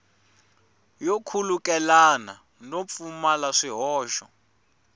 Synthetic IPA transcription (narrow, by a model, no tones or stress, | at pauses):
jokʰulukɛlana | nop̪fumalaʂiɦɔːʃɔ̰